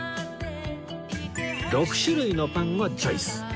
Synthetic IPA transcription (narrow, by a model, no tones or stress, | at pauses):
ɾokɯ̟̥ɕɯɾɯinopãŋɡat͡ɕoisɨ̥